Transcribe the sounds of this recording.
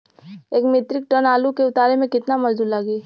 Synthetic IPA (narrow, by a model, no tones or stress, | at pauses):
eːkmɪt̪ɾɪk̚ʈənaːlukeʊt̪aːɾemẽkɪt̪namɐd͡ʒd̪uːlaɡiː